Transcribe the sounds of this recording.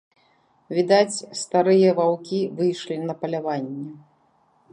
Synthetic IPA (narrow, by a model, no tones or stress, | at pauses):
vʲid̪at͡sʲst̪aɾɨjɐvawkʲivɨjʂlʲinɐpɐlʲavanʲːɛ